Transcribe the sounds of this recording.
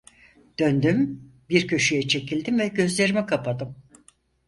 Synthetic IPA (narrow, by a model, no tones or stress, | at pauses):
d̪̥ønd̪ymbiɾcʰø̞ʃyjɛt͡ʃʰe̞cʰilʲd̪imvɛɟø̞zlʲe̞ɾimikʰapʰad̪ɯm